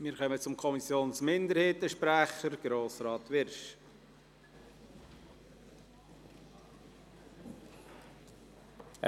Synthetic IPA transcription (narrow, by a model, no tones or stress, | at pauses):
mɪːɾkœmət͡sʊmkʰɔmisjoːnsmɪndəɾheːtəʃpɾæχəɾɡ̥ɾoːsɾɑːt̪ʋɪɾʃ